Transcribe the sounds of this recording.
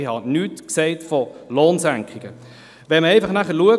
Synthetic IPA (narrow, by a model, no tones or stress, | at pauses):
ɪhɑnyːtksɛɪtfɔloːnsæŋkχɪɡ̥ə | ʋɛməɛɪfɑχnæχəɾluə